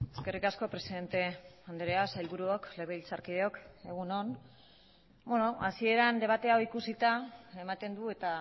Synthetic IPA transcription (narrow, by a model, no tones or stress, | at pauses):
e̞ske̞rikasko̞pɾe̞siðe̞nt̪e̞and̪eɾeasailβuɾuokle̞β̞eilt͡saɾkiðeo̞ke̞ɣ̞uno̞n | beno̞asie̞ɾand̪e̞β̞at̪e̞aoikusit̪ae̞mat̪e̞nd̪ue̞t̪a